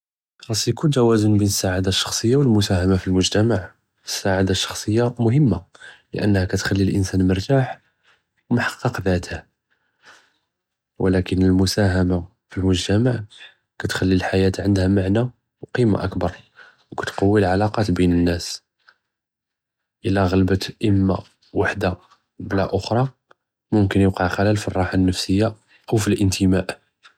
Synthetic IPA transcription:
ɑsˤikuʒæwæzənbinəsːaʕad̪aʃːɑ̥xsˤəjːawəlmʊsæhæmafilmʊʒt̪æmaʕ | əsːaʕad̪aʃːɑ̥xsˤəjːamʊɦəmːalə̰ʔənːhækæt̪xælːilʔənsænməɾˤt̪aħ | wmħɑ̥qːɑqðæt̪hæ | wəlækənəlmʊsæɦæma | filmʊʒt̪æmaʕ | kæt̪xælːilħajæt̪ʕənd̪hæmaʕna | wqima̰ʔəkbɑɾˤ | wkæt̪qɑwːilʕalɑqɑt̪binənːæs | ʔəlːæɣælbət̪ʔəmːa | waħd̪a | blæʔʊxɾˤɑ | mʊmkənjəqɑʕxælælfirˤːɑħanːəfsəjːa | ʔəwfilʔənt̪ʰəmæʔ

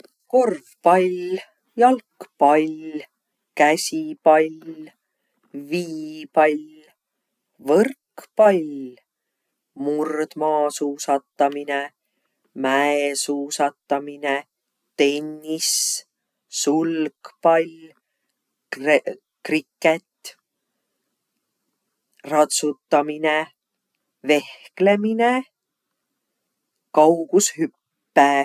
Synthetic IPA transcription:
ko̞rvpɑj | jɑlkpɑlʲ | kæsʲipɑlʲ | viːpɑlʲ | vɤrkpɑjlʲ | murd̪̥mɑːsuːsɑt̪ːɑmine | mæesuːsɑt̪ːɑmine | t̪e̞nːis | sulkpɑlʲ | krikːet̪ː | rɑt̪sut̪ːɑmine | ve̞hkle̞mine | kɑwɡ̥ushypː | e

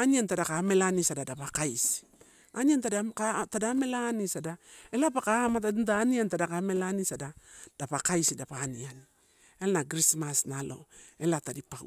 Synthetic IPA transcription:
aniantadakame̞lanisadadapakajs | aniantadakatadame̞lanisadae̞lapakamatantaniantadakame̞lanisadad̥apakajsidapanian | elnaɡɾismasnalo̞̰e̞latadipa̰

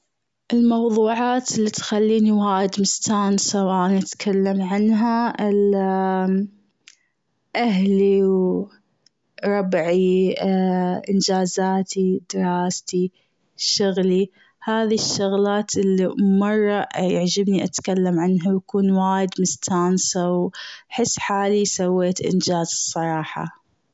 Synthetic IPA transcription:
ʔɪlmɑwðˤuːʕaːt̪ɪlːit̪xalːiːniwaːjɪd̪mɪst̪aːnsawaːʔanʔat̪kʰalːamʕanɦaɪl | ʔaɦliw | ɾˤɑbʕi | ʔɪnd͡ʒaːzaːt̪ʰid̪ɪɾˤɑːst̪i | ʃʊɣli | haːðiʃːʊɣlaːt̪ʔɪlːimɑrˤːɑjaʕd͡ʒɪbniʔat̪kalːamʕanɦawjakuːnwaːjɪd̪mʊst̪ʰaːnsawħɪsːħaːlisawːeːt̪ʔɪ̰nd͡ʒaːzɨsˤːɑɾˤɑːħɑ̰

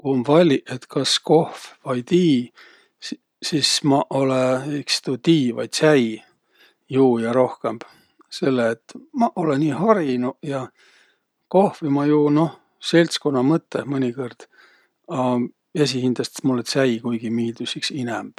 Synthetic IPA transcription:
kuomvɑlʲiʔet̪kɑsko̞hfvɑjt̪iː | sismɑʔo̞leikst̪ut̪iːvɑ̰jt̪sæj | juːjɑɾo̞hke̞mb̥ | se̞lːeːt̪mɑʔoleniːhɑɾinujɑ | ko̞hvimɑjuːno̞h | se̞lʲt̪skonːɑmɤt̪ːemɤnʲiko̞rd̪̥ | ɑ | e̞s̬ihind̪̥lɑst̪e̥mulːet̪sæjkujɡ̥imiːld̪̥usiksinɛmb̥

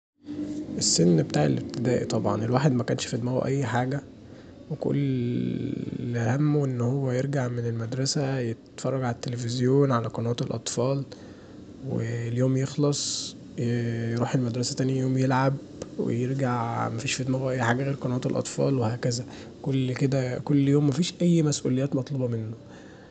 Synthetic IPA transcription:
ʔesːenːbet̪aːʕḛlʔeb̚t̪ed̪æːʔḭt̪ˤɑbʕɑ̰nelwaːħed̪mækæːnʃfed̪mæɣṵʔæjːħaːɡæ | weko̰lː | hæmːoʔenːhowːæjeɾɡaʕmenelmæd̪ɾˤɑsæjet̪fɑrˤːɑɡʕalæt̪ːelefezjoːnʕalæqɑnæːt̪elʔɑt̪ˤfɑːl | wḛljoːmjexlɑsˤ | jjɾuːħelmæd̪ɾˤɑsæt̪æːnjæjoːmjelʕab | wḛjeɾɡaʕmæfiːʃfed̪mæɣæʔæjːħaːɡæɣeːɾqɑnwæːt̪elʔɑ̰t̪ˤfɑ̰ːlwehæːkæzæ | kolːked̪ækolːjoːmːæfiːʃʔæjːmæsʔṵlejːæːt̪mɑt̪ˤlɑbɑmenːo

